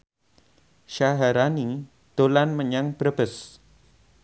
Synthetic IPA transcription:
ʃaɦaɾani | d̪̥olanməɲaŋb̥ɾəbəs

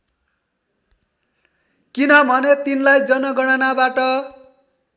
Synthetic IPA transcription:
kinʌbʱʌnet̪inlajd͡zʌnʌɡʌɽ̃anabaʈʌ

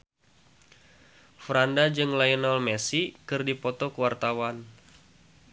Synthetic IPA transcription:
fɾandad͡ʒɨŋlajɔnɔlmɛsikɨrdipɔt̪ɔkəwart̪awan

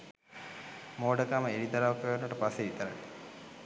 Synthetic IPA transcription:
moːɖəkaməeɾid̪aɾaʋkəʋenːuʈəpasːeit̪əɾa

